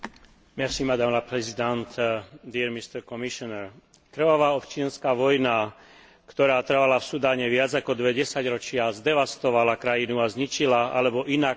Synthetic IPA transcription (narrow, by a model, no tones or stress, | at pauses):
mɛsimad̪amlapɾɛzid̪ant̪d̪iɾmist̪ɛɾkɔmiʃɔnɛɾ | kɾʋɔʋaːɔpt͡ʃɪanskaːʋɔjna | kt̪ɔɾaːt̪r̩ʋalafsud̪aːɲɛʋɪad͡zakɔd̪ʋɛɟɛsaɟɾɔt͡ʃɪazd̪ɛʋast̪ɔʋalakɾajinuazɲit͡ʃilaa̰lɛbɔʔinak